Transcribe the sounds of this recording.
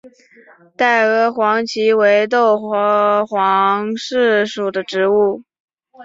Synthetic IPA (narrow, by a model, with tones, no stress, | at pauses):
t̪a˥˩ɪɤ˧˥xwɑ˧˥ŋt͡ɕʰi˧˥we˧˥ɪt̪̬o˥˩ʊxwɑ˧˥ŋʂɻ̩˥˩ʂu˨˩d̪ə˦ʈ͡ʂɻ̩˧˥u˥˩